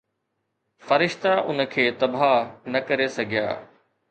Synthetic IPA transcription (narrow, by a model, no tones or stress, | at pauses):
fɐɾɪʃt̪aʔʊnə̆kʰeːt̪ɐbʱanɐkɐɾesɐɡʱija̰ː